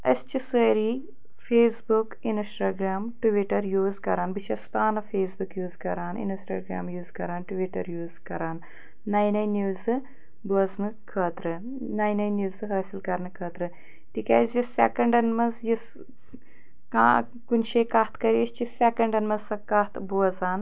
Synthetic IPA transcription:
ɐ̰st͡ʃisəːɾi | fʰeːsbukinsʈaːɡɾaːmʈuʋiʈɐɾjuːzkɐɾaːnbit͡ʃʰɐspaːnɐfeːsbukjuːzkɐɾaːnḭnsʈa̰ːɡɾa̰ːmjuːzkɐɾaːnʈuʋiʈɐ̰ɾjuːzkɐɾaːnː | ɐjnɐjnjuːzɨ | buɐznɨkʰəːt̪ɾɨ | nɐjnɐjnjuːzɨɦaːsilkɐɾnɨkʰɐːt̪ɾɨ | t̪ikʲa̰zisːekɐɳɖɐnmɐzjis | kaː | kunʃeːkɐht̪kɐɾiɐʃt͡ʃisekɐɳɖɐnmɐzsɐkɐht̪buɐzaːn

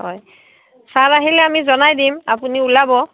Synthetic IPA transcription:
ɔ̰j | saɹaɦilɛamizɔnajdimapuniulabɔ

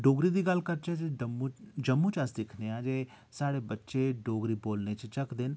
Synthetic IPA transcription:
ɖoːɡɾid̪iːɡɐlkəɾt͡ʃɛd͡ʒeəmud͡ʒəmːut͡ʃɐsd̪ɪkʰneãːd͡ʒeː | saːɽebətːʃeɖoːɡɾiːboːlnet͡ʃt͡ʃəkd̪ɪn

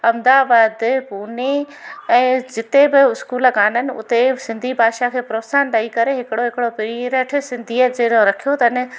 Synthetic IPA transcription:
ɐmd̪aːbaːd̪puːne | ɛ̃ːd͡ʑɪt̪ebɪʊskuːlkaːnənɪ̆ʊ̰t̪esɪ̃nd̪ʱibʱaːʃakʰeːpɾoːsaːnɖaːikɐɾeɦɪkɪɽoɦɪkɪɽopɪɾiɾəʈʰɪsɪ̃nd̪ʱiːəd͡ʑeːɾõɾɐkʰijot̪ɐnɪ̆

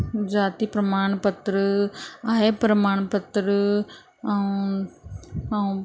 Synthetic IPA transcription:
d͡ʒaːt̪ipɾɐmaːɳɐpɐt̪ɾɯajɐpɾɐmaːɳɐpɐt̪ɾɯ

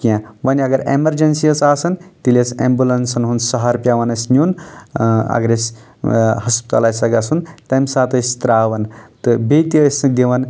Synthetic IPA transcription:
kiãʋɐnʲiɐɡɐɾḛmɐɾd͡ʒɐnsijɐt͡saːsɐnt̪ilʲɐsḛ̃mbulɐnsɐnɦunsɐɦaɾpjaʋɐnɐsʲnjun | ɐ̰ɡɾes | hɐspi̥t̪a̰laːjsɐɡasunt̪ɐmsaːt̪ɐsʲt̪ɾaːʋɐnt̪ɨbet̪iɐsɨk̚d̪iʋɐn

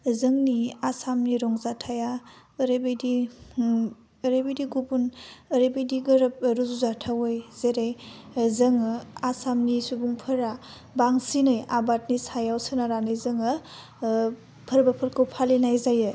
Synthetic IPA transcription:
zɯŋniasamniɾɔŋzatʰaja | ɾebejdi | ɾebejdiɡubunɾebejdiɡɯɾp̚ɾuzuzatʰawɯjz̥eɾejzɯŋasamnisubuŋpʰɐɾa | baŋsinɯjabat̚nisajawsɯnaɾanɯjzɯŋɯ | pʰəɾbɐpʰəɾkʰɯwpʰalinajzajɯ

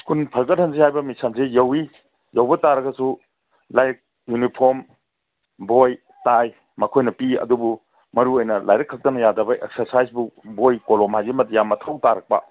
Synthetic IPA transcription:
kʰunpʰɐɾɡɐt̚hɐnzihajbɐmisʰansejɐwi | jɐwbɐtaɾɐɡɐsu | lajɾk̚ | junipʰoɾm | boj | taj | mɐkʰojnɐpiɐ̰dubu | mɐɾuojnɐla̰jɾɐkʰːɐk̚tɐnɐjadɐbɐʔḛksɐɾsajsbubojkolɔmhajzimɐtjamɐtʰawtaɾɐk̚pɐ̰

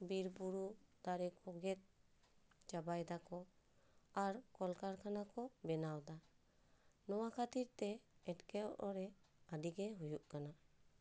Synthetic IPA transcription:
biɾpuɾut̪aɾɛkʰɔɡɛt̪̚ | t͡ʃabajd̪akɔ | aɾkɔlkaɾkʰanakɔbɛnawd̪a | nɔwakʰat̪iɾt̪ɛɛʈkɛɔʔɔɾɛad̪iɡɛɦujuʔkana

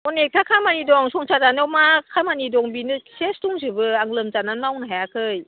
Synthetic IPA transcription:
ɔnek̚tʰakʰamanidɔŋsʰɔŋsʰazanɯwmakʰamanidɔŋbinɯsestuŋzɯbɯaŋlɯmzananmawnɯɦajakʰɯj

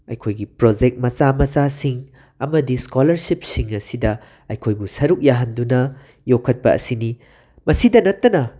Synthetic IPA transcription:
ɐ̰jkʰojɡipɾod͡ʒek̚t̚mɐt͡ʃamɐt͡ʃasiŋ | ɐmɐdiskolɐɾsip̚siŋɐsidɐ | ɐjkʰojbusɐɾuk̚jaɦɐndunɐ | jokʰːɐt̚pɐʔɐ̰sini | mɐsidɐnɐtːɐnɐ

